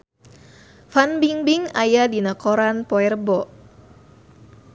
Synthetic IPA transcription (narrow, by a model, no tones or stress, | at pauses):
fanbiŋbiŋajadinakɔɾanpɔɛrbɔ